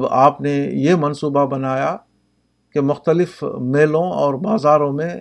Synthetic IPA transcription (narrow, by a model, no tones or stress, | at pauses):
baːpnejemɐnsuːbabɐnaːja | kemʊxt̪əlɪfmeːlõɔ̰ːɾbaːzaːɾõmẽ